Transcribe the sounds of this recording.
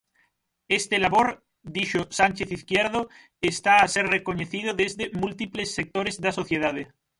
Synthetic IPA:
est̪elaβoɾ | d̪iʃosant͡ʃeθiθkjeɾðo | est̪aːseɾrekoɲeθiðoðezðemult̪iplesːek̚t̪oɾezðaso̞θjeð̞aðe

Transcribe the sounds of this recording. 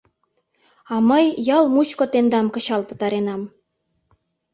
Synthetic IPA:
ɑməjjɑlmut͡ɕkŏt̪end̪ɑmkɤ̆t͡ɕɑlpə̥̆t̪ɑɾenɑm

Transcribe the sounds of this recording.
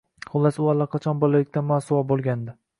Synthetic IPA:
χʊlˠːasʊalˠːaqʰɑt͡ʃʰɒnbɒlalɪk̚ʲt̪ʰanmasʊwɒbolˠɡʲand̪ɪ

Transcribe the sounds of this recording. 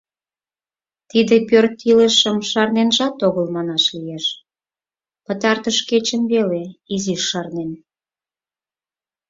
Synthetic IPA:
t̪id̪epørt̪ileʃəmʃɑrnenʒɑt̪oɣəlmɑnɑʃlijeʃ | pət̪ɑrt̪əʃket͡ɕəmβeleiziʃːɑrnen

